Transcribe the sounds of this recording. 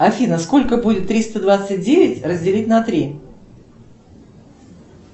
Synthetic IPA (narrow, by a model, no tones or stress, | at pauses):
ɐfʲinəsko̞lʲkəbudʲɪt̪ːɾʲist̪əd̪vat̪sɨt̚ʲdʲevʲɪtʲrəzʲdʲɪlʲitʲnɐt̪ɾʲi